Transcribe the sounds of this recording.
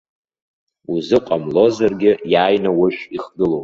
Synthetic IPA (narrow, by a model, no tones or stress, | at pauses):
uzɨqʷʼamlo̞zarɡʲɪjaːjnawʊʃiχɡɨlowʼ